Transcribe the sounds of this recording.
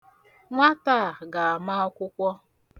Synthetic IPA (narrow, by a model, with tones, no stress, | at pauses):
ŋʷa˦ta˦˨ɡa˨a˨ma˦ɔ˦kʷʊ˦kʷɔ˦